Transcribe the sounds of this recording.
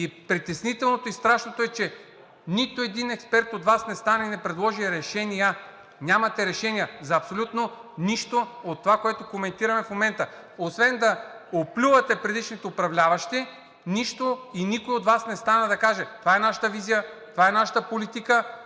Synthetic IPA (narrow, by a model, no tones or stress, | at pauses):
ipɾit̪ɛsnit̪ɛlˠnot̪oist̪ɾaʃnot̪oɛt͡ʃɛ | nit̪oɛd̪inɛkspɛɾt̪ot̪vasnɛst̪anɐinɛpɾɛd̪lˠɔʒiɾɛʃɛnijə | nʲamɐt̪ɛɾɛʃɛnijɐzɐːpsolʲut̪noniʃt̪oot̪ːovakoɛt̪okomɛnt̪iɾɐmɛfmomɛnt̪ə | osvɛnd̪ɐ | oplʲuvɐt̪ɛpɾɛd̪iʃnit̪oʊpɾɐvlʲavɐʃt̪ɛ | niʃt̪oinikoiot̪vasnɛst̪anəd̪ɐkaʒɛt̪ovaɛnaʃə̥t̪əvizijət̪ovaɛnaʃə̥t̪əpolit̪ikə